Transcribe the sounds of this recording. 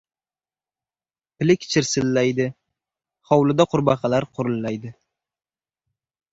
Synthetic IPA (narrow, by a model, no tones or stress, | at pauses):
pʰɪlɪkʲʰɪ̥t͡ʃʰɪɾsɪlːajd̪ɪ | χɒwlɪd̪aqʰʊɾbɑqɑlaɾqʰʊɾʊlːajd̪ɪ